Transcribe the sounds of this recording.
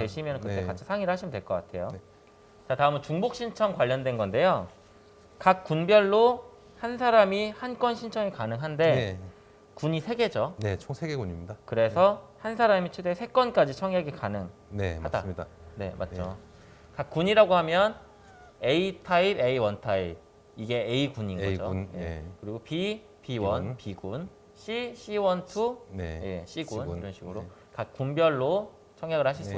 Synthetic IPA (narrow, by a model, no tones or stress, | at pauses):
twe̞ɕʰimjʌnɯnkɯt͈ːekat͡ɕʰi̥sʰaŋiɾɯɭhaɕʰimjndwe̞ɭk͈ʌk͈atʰe̞̰jo | t͡ɕataɯmɯnt͡ɕuŋbok̚ɕ͈ʰint͡ɕʰʌŋkwaʎːʌndwe̞nɡʌnde̞jo | kak̚k͈unbjʌɭːo | hansʰaɾamihank͈wʌnɕʰint͡ɕʰʌŋekanɯŋɦande̞ | kuɲisʰe̞ɡe̞d͡ʑonesʰeɡeɡuɲimidakɯɾe̞sʰʌhansʰaɾamit͡ɕʰedesʰe̞k͈wʌnk͈ad͡ʑit͡ɕʰʌŋjaɡekanɯŋ | nehadaɲdane̞ma̰t̚d͡ʑo | kak̚k͈uɲiɾaɡohamjʌn | e̞itʰaibe̞iwʌntʰaib̚ | iɡe̞eikuɲinʌd͡ʑoujekɯɾiɡopi | piwʌnnpiɡun | ɕʰiɕʰiwʌntʰunejeɕʰiɡunniɾʌnɕʰiɡɯɾo | kak̚k͈umbjʌɭːo | t͡ɕʰʌŋjaɡɯɭhaɕ̬ʰiss͈